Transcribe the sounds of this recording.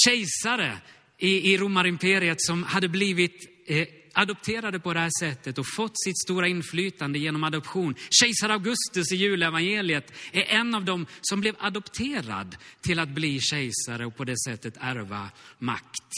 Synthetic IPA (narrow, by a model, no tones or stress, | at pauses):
ɕɛjsaɾə̰ | ɪɪɾumːaɾɪmpʰeːɾɪət̪sɔmhad̪ːəbliːvɪt̪ | ad̪ɔpt̪ʰeːɾad̪əpɔd̪ɛhæːʂɛt̪ːət̪ɔfɔt̪ːsɪt̪st̪uːɾaɪnflyːt̪and̪əjeːnɔmad̪ɔpɧuːnɕɛjsaɾavɡɵst̪ɵsɪjʉ̟ːlɛvanjeːlɪət̪æɾʔɛnːavd̪ɔmsɔmblɛvad̪ɔpt̪ʰeːɾa̰d̪t̪ʰːɪlat̪̚bliːɕɛjsaɾəɔpʰɔd̪ɛsɛt̪ːət̪æɾva̰ma̰kt̪